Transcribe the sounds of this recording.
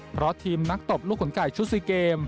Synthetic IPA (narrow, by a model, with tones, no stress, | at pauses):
pʰɾɔ˦˥t̪ʰiː˧mna˦˥k̚t̪o˨˩p̚luː˥˩k̚ho˩˦nkaː˨˩jt͡ɕʰu˦˥siː˧˩keː˧m